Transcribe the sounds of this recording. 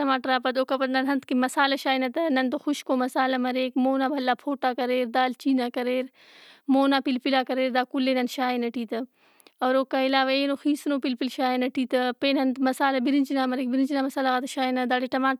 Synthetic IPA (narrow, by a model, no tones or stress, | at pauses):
ɐmaːʈəɾaːpɐt̪oːkɐpɐt̪nɐnɦɐnt̪kimɐsaːlɐʃaːinɐt̪ɐnɐnt̪oxuʃkomɐsaːlɐmɐɾeːkmoːnaːbʱɐlːaːpʰoːʈaːkɐɾeːɾd̪aːlt͡ʃiːnakɐɾeːɾ | moːnaːpilpilaːkɐɾeːɾd̪aːkulːeːnɐnʃaːinɐʈiːt̪ɐ | ɔːɾoːkːaːilaːʋaeːnoxiːsnoːpilpilʃaːenɐʈiːt̪ɐpeːnɐnt̪mɐsaːlɐbiɾint͡ʃinaːmɐɾeːk̚biɾint͡ʃinaːmɐsaːlaɣat̪ɐʃaːinɐd̪aːɽeʈɐmaː